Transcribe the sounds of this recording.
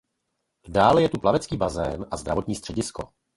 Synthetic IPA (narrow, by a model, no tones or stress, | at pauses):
daːlɛjɛt̪uplavɛt͡skiːbazɛ̰ːnʔazd̪ɾa̰vo̞t̪ɲiːst̪r̥ɛɟɪsko̞̰